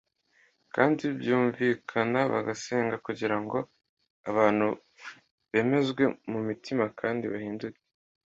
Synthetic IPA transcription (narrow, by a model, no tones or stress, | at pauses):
kaːndibjuːɱviːkʰanaβa̰ɡase̞ːŋɡakuɟiɾaŋɡo̞ | aβaːn̥hu | βe̞ːme̞zɡwe̞mumitʰimakʰaːndiβahiːnduke